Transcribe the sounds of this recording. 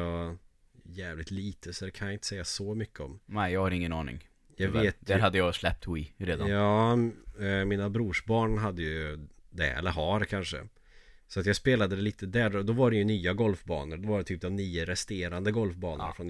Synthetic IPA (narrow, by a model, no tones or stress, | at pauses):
ɑ | jɛːvlɪk̚t̪liːt̪ʰəsɔd̪ɛkʰanjaɪnt̪ə̥sɛjːasɔmʏkːəɔmnɛɪjɑːɡhaɾɪŋːənɑ̰ːnɪ̰ŋ | jɑɡveːt̪æɾɦad̪ːəjɑːslɛp̚t̪ʰwiːɾeːd̪aɑː | mɪnabɾuːʂbɑːɳɦad̪ːəjd̪ɛ̰ɛ̰lːəɾɦɑɾɛkʰanʂə̰ | sɔat̪jɑːɡspeːlad̪əd̪ɛliːt̪əd̪æːɾɔd̪ɔvaɖɛjɵnyːaɡɔlfbɑ̰ːnəɾd̪ɔvaɖɛt̪ʰyːp̚d̪ɔmnyːəɾɛst̪eːɾand̪əɡɔlfbɑːnənafɾɔn